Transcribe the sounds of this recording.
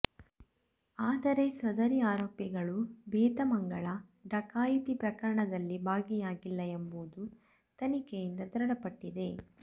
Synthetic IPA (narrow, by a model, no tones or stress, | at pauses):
aːd̪ɐɾe̞sɐd̪ɐɾiaːɾoːpjɐɡɐɭubɛːt̪ɐmɐŋɡɐɭɐɖɐkaːjit̪ipɾɐkɐɾɐɳɐd̪ɐlːibʱaːɡijaːɡilːɐembuud̪u | t̪ɐnikejind̪ɐd̪ɾɐɽɐpɐʈːid̪e̞